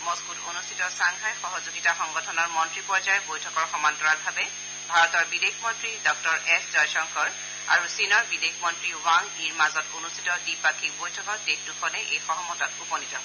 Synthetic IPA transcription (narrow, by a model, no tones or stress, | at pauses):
mɔskuto̰nustʰitɔsaŋkʰajxɔɦɔzuɡitaxɔŋɡɔtʰɔnɔɹmɔntɹipɔɹzajɔbojtʰɔkɔɹxɔmantɔɹaɹbʱabɛ | bʱaɹɔtɔɹbidexmɔntɹidɔk̚tɔɹɛszɔjsɔŋkɔɹ | a̰ɹusinɔɹbidexmɔntɹiwaŋiɹmazɔtonustʰitɔdipakibojtʰɔkɔɹdexdukʰɔnɛʔejxɔɦɔmɔtɔtupɔnitɔ